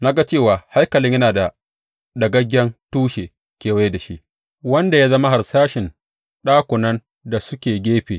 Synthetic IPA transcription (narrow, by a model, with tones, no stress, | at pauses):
na˦ɡa˦t͡ʃeː˦˨waː˨ha˦jkɐ˨lɪ˦jɐ˦naː˨da˨ | dɐ˨ɡɐ˦ɡʲːɐ˦ntuː˦ʃeː˨ | kʲeː˨wa˦jda˨ʃḭ˦ʔ | wɐ˦nda˨jaː˦zɐ˦ma˦ɦa˨rsaː˦ʃɪ˨n | ɗaː˦kʷʊ˨nɐ˦n | da˨sʊ˦kʲeː˨ɡʲeː˦ɸeː˨